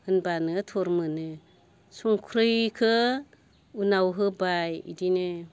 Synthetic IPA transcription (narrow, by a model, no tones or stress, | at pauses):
hɯnbanɯtʰɔɾmɯnɯ | sɔŋkʰɾɯjkʰɯ | unawɦɯbajḭdinɯ